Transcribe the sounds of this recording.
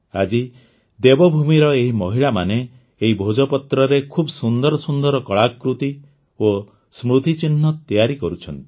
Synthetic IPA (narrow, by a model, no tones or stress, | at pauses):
a̰d͡ʒi | d̪ebɔbʱumiɾɔeɦimɔɦiɭamaneː | ɦibʱod͡ʒɔpɔt̪ɾɔɾekʰubsund̪ɔɾɔsund̪ɔɾɔkɔɭakɾut̪i | o | smɾut̪it͡ʃin̤ːɔt̪ijaɾikɔɾut͡ʃʰɔnt̪i̥